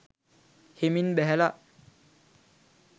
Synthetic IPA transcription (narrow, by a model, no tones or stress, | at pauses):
heminbɛɦɛla